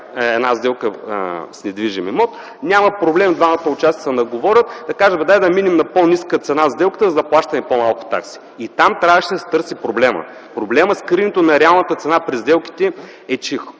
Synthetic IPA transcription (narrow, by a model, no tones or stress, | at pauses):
ɛd̪nazd̪ɛlˠkəsnɛd̪viʒimimɔt̪ | nʲamɐpɾoblɛmd̪vamət̪əʊt͡ʃasʲsnɐɡovɔɾʲət̪d̪ɐkaʒɐvɛd̪ad̪ɐminɛmnɐponʲiskət̪sɛnazd̪ɛlˠkə̥t̪əzɐzɐplˠaʃt̪ɐnɛpomalˠkʊ̥t̪a̰ksi̥ | it̪amt̪ɾʲavəʃid̪ɐsɛ̥t̪ɤɾsipɾoblɛmə̰pɾoblɛməskɾinʲɛt̪onɐɾɛalˠnət̪ət̪sɛnapɾizd̪ɛlˠki̥t̪ɛ | ɛt͡ʃix